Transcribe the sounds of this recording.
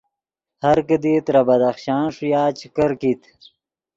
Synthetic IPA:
hɐɾkəd̪it̪ɾabɐd̪axɕɑːnʂujaːt͡ɕikəɾkit̪

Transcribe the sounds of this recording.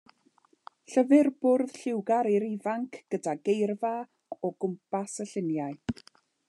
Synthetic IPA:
ɬəvɨrb̥ʊrð̥ɬɪwɡaɾiɾɪvaŋkʰɡ̥ədaɡejrva | ɔɡ̥ʊmpʰasəɬɪnjaɨ

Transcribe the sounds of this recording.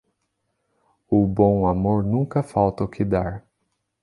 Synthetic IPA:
ʊbõw̃amoɾnũŋkɐfawt̪ɐʊkʰɪd̪aɾ

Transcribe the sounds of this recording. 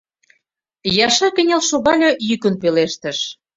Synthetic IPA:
jɑʃɑkə̆nʲelʃoɣɑlʲɤ̆jykə̆npeleʃt̪ə̆ʃ

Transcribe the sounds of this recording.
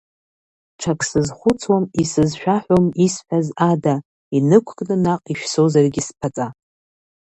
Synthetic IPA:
ʈ͡ʂʰakʰʼsɨzχʷʊt͡sʰwamisɨzʃᶣaħʷᶣomisħʷᶣazada | inɨkʷʰɡʼnɨnaqʼiʃᶣsozarɡʲɪspʰat͡sʼa

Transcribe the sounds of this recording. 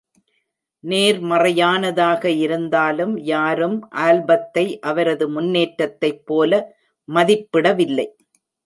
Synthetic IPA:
neːɾmɐrɐjaːnɐðaːɣɐɪɾɯnd̪aːlɯmjaːɾɯmʔaːlbɐt̪ːɐɪʔɐʋɐɾɐðɯmʊnːeːʈɾɐt̪ːɐɪpːoːlɐ | mɐðɪpːɪɽɐʋɪlːɐɪ

